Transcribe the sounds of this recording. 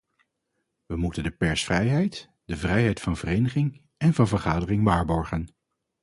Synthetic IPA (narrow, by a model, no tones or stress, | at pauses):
ʋəmutəndəpɛɹsfrɛjɦɛjt | dəvrɛjɦɛjtfɑnvərejnəχɪŋ | ɛnvɑnvəɹχaːdərɪŋʋaːɹbɔɹχən